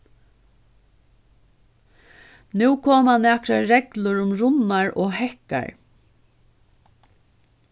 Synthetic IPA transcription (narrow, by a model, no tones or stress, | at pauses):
nʉːkʰoːmanɛːkɾaɾɛklʊɾʊmɾʊnaɹɔːhɛhka̰ɹ